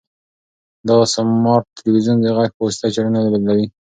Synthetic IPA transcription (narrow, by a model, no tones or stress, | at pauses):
d̪aɣasamːɑɾt̪ɪlwizund̪əɣakpost̪at͡ʃaɽanad̪abad̪lawi